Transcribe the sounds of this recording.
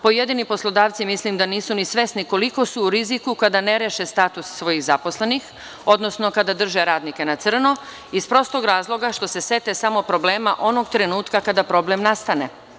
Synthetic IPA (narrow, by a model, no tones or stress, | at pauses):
po̞je̞d̪inipo̞slˠo̞d̪aːʋt̪simislimd̪aniːsunisʋe̞sniko̞liko̞suːɾizikukad̪ane̞ɾeʃest̪aːt̪usːʋo̞jiɣzapo̞sle̞nix | o̞d̪no̞snokad̪ad̪r̩ʒeɾaːd̪nike̞nat̪sr̩no̞ | ispɾo̞st̪o̞ɡɾaːzlˠo̞ɡaʃt̪o̞se̞se̞t̪esamo̞pɾo̞bleːmaʔo̞no̞ɡt̪ɾe̞nuːt̪kakad̪apɾo̞ble̞mnast̪ane̞